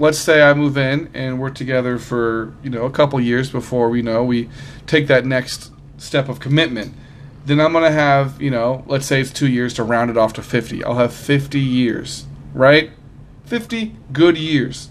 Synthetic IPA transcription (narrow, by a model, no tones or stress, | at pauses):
lətseɪaɪmuvɪ̃nɨ̃nwɜ˞k̚tʰɨɡɛðə˞fə˞jɨnoʊəkʰʌpl̩ˠjɪɹzbəfɔɹwinoʊwitʰeɪk̚ðɨtⁿnɛkst | stɛpʌv̥kʰɨmɪt̚mɨ̃nt̪ | ðɨ̃ñãɪ̃mɡʌnɨɨvjɨnoʊlətseɪɨtstʰʉjɪɹz̥tʰəɹãʊ̃ndɨɾɔftʰɨfɪftḭʔa̰ɪlˠəv̥fɪftijɪɹz̥ɹaɪt̚ | fɪftiɡʊd̚jɪɹz̥